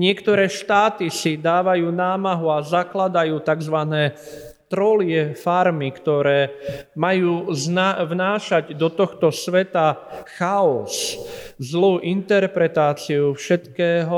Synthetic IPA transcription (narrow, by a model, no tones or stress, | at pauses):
ɲɪɛkt̪ɔɾɛːʃt̪aːt̪isid̪aːʋajuːnaːmaɦuazaklad̪ajuːt̪aɡzʋanɛː | t̪ɾɔlɪɛfaɾmikt̪ɔɾɛːmajuːznavnaːʃaɟd̪ɔt̪ɔxt̪ɔsʋɛt̪axaɔszluːʔint̪ɛɾpɾɛt̪aːt͡siufʃɛt̪kɛːɦɔ